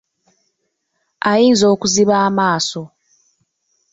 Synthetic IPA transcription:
ajiːnzo̞ːkuziβaːmaːso̞

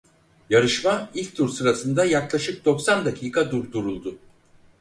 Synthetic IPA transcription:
jaɾɯʃmailʲk̚t̪ʰuɾsɯɾasɯnd̪ajaklˠaʃɯk̚d̪o̞ksand̪akʰiːkʰad̪uɾd̪uɾulˠd̪ʊ

